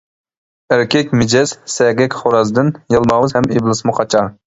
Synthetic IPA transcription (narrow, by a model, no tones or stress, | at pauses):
æɾkʲʰɛkʲmɪd͡ʒɛz̥sɛɡʲɛkʲχoɾɑzd̪ɪnjɑlˠmɑwɨzhɛmeblˠɨsmɨqʰɑt͡ʃʰɑ